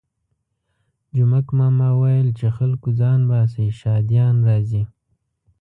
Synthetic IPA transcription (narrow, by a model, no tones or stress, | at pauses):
d͡ʒʊmakmɑmɑwajəlt͡ʃexalkuzɑnbɑs̬eʃɑd̪jɑnɾɑzi